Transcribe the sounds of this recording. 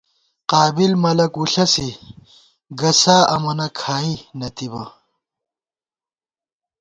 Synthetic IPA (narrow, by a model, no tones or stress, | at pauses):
qaːbilmɐlɐkuɬɐsi | ɡɐsaːɐmɐnɐkʰaːinɐt̪ibɐ